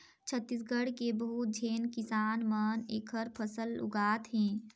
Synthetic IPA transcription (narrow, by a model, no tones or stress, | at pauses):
t͡ʃʰət̪ːis̬ɡəɽkebəɦut̪̚d͡ʒʱeːnkɪsaːnməneːkʰəɾpʰəsəlʊ̰ɡaːt̪ɦɛ̃ː